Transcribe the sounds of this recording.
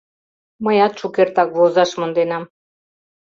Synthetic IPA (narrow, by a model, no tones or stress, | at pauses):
məjɑt̪t͡ʃukeɾt̪ɑkvozɑʃmond̪enɑm